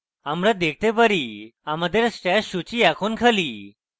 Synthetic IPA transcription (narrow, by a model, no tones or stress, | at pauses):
amɾad̪ekʰt̪ebəɾiaməd̪ʱeɾsʈɛɕut͡ɕiɛkʰonkʰəliː